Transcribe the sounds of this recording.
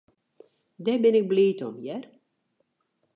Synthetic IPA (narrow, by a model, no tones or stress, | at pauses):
dɛbɪnɪk̚bliːtɔmjɛr